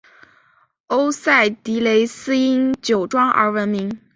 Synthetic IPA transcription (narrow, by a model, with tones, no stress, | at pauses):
o˥ʊsa˥˩ɪt̪i˧˥le˧˥ɪsɹ̩˥i˥ŋt͡ɕjo˨˩ʊʈ͡ʂwɑ˥ŋʔə̰˧˥wə˧˥nmi˧˥ŋ